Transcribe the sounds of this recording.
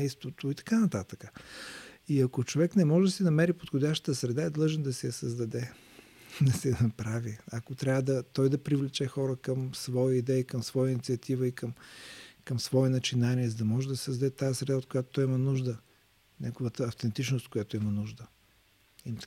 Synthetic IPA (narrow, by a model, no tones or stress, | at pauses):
ɛjst̪vot̪oit̪ɐ̥kanɐt̪at̪əkə | iɐkot͡ʃovɛknɛmɔʒɛd̪ɐsɛnɐmɛɾipot̪xodʲaʃt̪ə̥t̪əsɾɛd̪aɛd̪lˠɤʒɛnd̪ɐsɛjɐsəzd̪ɐd̪ɛ | d̪ɐsɛjɐnɐpɾaviɐkot̪ɾʲavəd̪ɐt̪ɔjd̪ɐpɾivlɛt͡ʃɛxɔɾəkəmsvɔjəid̪ɛikɐmsvɔjəinit̪siɐt̪ivəikəmkəmsvɔɛnɐt͡ʃinaniɛzɐd̪ɐmɔʒɛd̪ɐssəzd̪ɐd̪ɛt̪ajɛsɾɛd̪aot̪kojat̪ot̪ɔjimɐnuʒd̪ə | nʲaɡovət̪əːft̪ɛnt̪it͡ʃnost̪kojat̪oimɐnuʒd̪ə | im